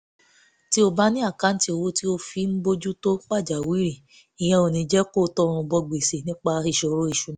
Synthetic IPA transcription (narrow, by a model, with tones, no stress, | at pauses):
ti˦o˧ba˦nĩ˦a˦˨ka˨˦n̩˦ti˦o˧wo˧˦ti˦o˧fi˧˦m̩˦bo˦d͡ʒu˦to˦fa˦˨d͡ʒa˨wi˨˦ɾi˦˨ | i˨j̃ɛ̃˧o˨nĩ˧d͡ʒɛ˦ko˦˨˦tɔ˦˧ɾ̃ũ˧bɔ˧ɡ͡be˨se˨nĩ˦k͡pa˧˦i˧˨ʃo˧ɾo˦i˧˨ʃu˨˦ñ˨˦